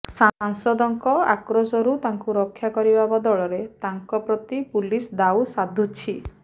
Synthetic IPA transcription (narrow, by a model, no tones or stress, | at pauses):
saŋsɔd̪ɔŋkɔa̰kɾosɔɾut̪aŋkuɾɔkʰːjakɔɾibabɔd̪ɔɭɔɾet̪aŋkɔpɾɔt̪ipulisd̪awsad̪ʱut͡ʃʰi